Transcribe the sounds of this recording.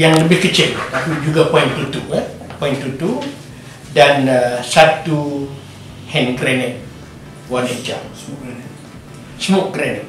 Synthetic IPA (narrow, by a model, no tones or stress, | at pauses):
jaŋləbɪhkət͡ʃɪllakud͡ʒuɡapɔjint̪ut̪ua | point̪ut̪u | dansat̪u | hɛnɡɾɛnɛt̪̚ | wanɛd͡ʒa̰ŋ | səmʊʔɡɾɛnɛt̚